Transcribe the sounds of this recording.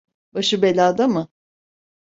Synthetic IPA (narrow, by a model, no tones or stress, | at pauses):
baʃɯbelʲaːd̪amɯ